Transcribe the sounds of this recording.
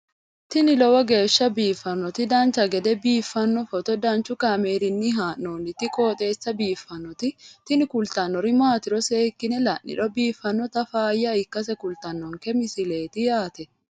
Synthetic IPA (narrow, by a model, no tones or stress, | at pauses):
t̪ɪnɪlɔwɐɡeːʃːɐbiːfːɐnːɔt̪ɪd̪aːnt͡ʃɐɡɛd̪ɛbiːfːɐnːɔfɔt̪ɔd̪aːnt͡ʃʊkɐmeːɾɪnːɪɦaːnːoːnɪt̪ɪkʼoːt̪ʼe̞ːsːɐbiːfːɐnːɔt̪ɪt̪ɪnɪkʊlt̪ɐnːɔɾɪmaːt̪ɪɾɔseːkːɪnɛlɐnːɪ̰ᶑɔbiːfːɐnːɔt̪ɐfaːjːaɪkːɐs̬ɛkʊlt̪ɐnːɔŋkɛmɪsɪleːt̪ɪjaːt̪ɛ